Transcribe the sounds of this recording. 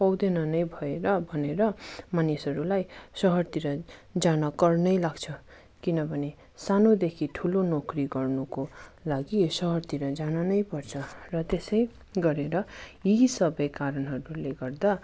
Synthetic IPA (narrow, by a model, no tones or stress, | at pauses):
pʌwd̪enʌnʌjbʱʌeɾʌbʱʌneɾʌmanisɦʌɾulajsʌɦʌrt̪iɾʌd͡zanʌkʌrnʌjlaɡt͡sʰʌ | kinʌbʱʌne | sanod̪ekʰiʈʰulonokriɡʌrnukolaɡisʌɦʌrt̪iɾʌd͡zanʌnʌjpʌrt͡sʰʌrʌt̪esʌj | ɡʌɾeɾʌisʌbʌjkaɾʌnɦʌɾuleɡʌrd̪a